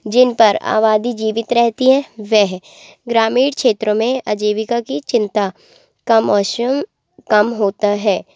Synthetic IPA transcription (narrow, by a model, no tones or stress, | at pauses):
d͡ʒɪnpɐɾa̰ːʋaːd̪id͡ʒiːʋɪt̪ɾɛɦt̪iɦɛ̃ʋɛɦ | ɡɾaːmiːɽkʰʃeːt̪ɾõmẽɐd͡ʒeːʋɪkakit͡ʃɪ̃nt̪a | kamɔːʃəm | kɐmɦoːt̪aɦɛː